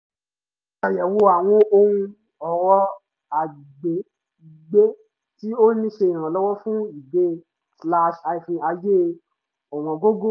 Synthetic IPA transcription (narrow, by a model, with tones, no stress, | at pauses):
a˨jɛ˨wo˧a˨w̃ɔ̃˧ʔo˧hũ˧ | ɔ˨wɔ˧ | a˨i˨ɡ͡be˨˦ | i˨ɡ͡be˦ | ti˦o˦nĩ˦ʃe˧i˨ɾ̃ã˨lɔ˦wɔ˦fũ˦i˨ɡ͡be˨˦ | sla˦˧ʃa˧i˨fĩ˧a˧je˦ | o˨mɔ̃˨ɡo˦ɡo˦